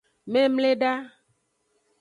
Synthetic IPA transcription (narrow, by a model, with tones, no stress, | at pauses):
mẽ˦mle˦ɖa˦